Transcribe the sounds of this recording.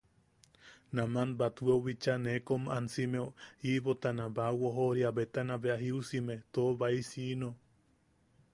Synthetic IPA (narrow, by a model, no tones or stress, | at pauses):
namanbat̪uweoβit͡ʃanekomansimeoiβot̪anãbawoɦoɾiaβet̪anaβeaɦiusimet̪oːβaisino